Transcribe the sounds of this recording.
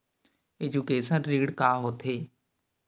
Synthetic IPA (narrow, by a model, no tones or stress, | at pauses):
eːd͡ʒukeːʃənɾiːɽkaːɦoːt̪ʰeː